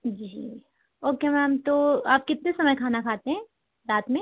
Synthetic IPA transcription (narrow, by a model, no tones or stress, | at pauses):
d͡ʒii | oːkemɛmt̪oaːp̚kɪt̪̚nesɐməjkʰaːnakʰaːt̪eɦɛ̃ː | ɾaːt̪mẽ